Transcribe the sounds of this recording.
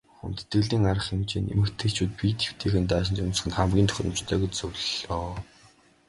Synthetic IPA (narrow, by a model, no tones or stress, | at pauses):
xṵnt̪t̪ɡɘ̆ɮiːŋaɾə̆χemt͡ɕiːnḛmɘ̆kt̪ʰeːt͡ɕʰuːt̪̚pit̪ʰe̥w̥t̪ʰeːxɘ̆nt̪aːʃ̬ɪ̆nt͡ɕʊns̆χɘ̆nχæmɡʲiːnt̪ʰœ̥xʲɾə̆m̥t͡ɕt̪ʰœːɡet͡ɕt͡sɵwɮɔː